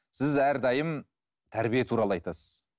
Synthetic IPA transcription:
sɪzæɾd̪ɑjəm | t̪ʰæɾbijet̪ʰuɾɑlˠəɑjt̪ɑsəz̥

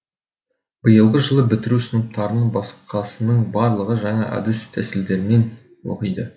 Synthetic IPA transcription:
b̥əjəlˠʁəʒəlˠəbɪt̪ɪɾusənəp̚t̪ɑɾənəbɑsə̥qqɑsənəɴbɑɾlˠəʁəʒɑɴɑʔɑ̰d̪ɪst̪ʰæsɪld̪e̞ɾɪne̞n | wo̰qəjd̪ə

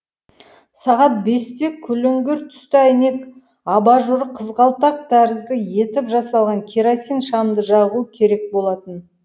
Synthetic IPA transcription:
sɑʁɑt̪̚be̞st̪e̞kʲʰʏlɪŋɡʲɪɾt̪ʰʏ̥st̪ɪæjne̞k | ɑbɑʒʊɾəqʰəzʁɑlˠt̪ɑq̚d̪æɾɪzd̪əje̞t̪ɪpʒɑsɑlˠʁɑŋkʲʰiɾasijnʃɑmd̪əʒɑʁuəkʲʰe̞ɾe̞k̚bo̞lˠɑt̪ən

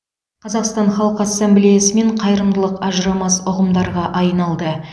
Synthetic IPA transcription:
qʰɑzɑqst̪ɑnχɑlˠəqɑsːemblijesɪme̞ɴqʰɑjɾəmd̪əlˠəqɑʒəɾɑmɑsʊʁəmd̪ɑɾʁɑʔɑjnɑlˠd̪ə

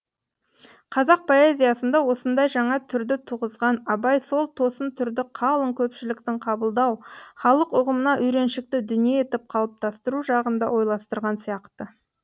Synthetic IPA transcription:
qʰɑzɑq̚pʰo̞e̞zʲijasənd̪ɑwo̞sənd̪ɑjʒɑɴɑt̪ʰʏɾd̪ɪt̪ʰuʁəzʁɑnɑbɑjso̞lˠt̪ʰo̞sənt̪ʰʏɾd̪ɪqʰɑlˠəŋkʲʰɵpʃɪlɪk̚t̪ɪɴqʰɑbəlˠd̪ɑwχɑlˠəqʊʁəmənɑʔʏjɾe̞nʃɪk̚t̪ɪd̪ʏnijee̞t̪ɪp̚qʰɑlˠəp̚t̪ʰɑst̪əɾuʒɑʁənd̪ɑ̰wo̞jlˠɑst̪əɾʁɑnsijɑqt̪ə

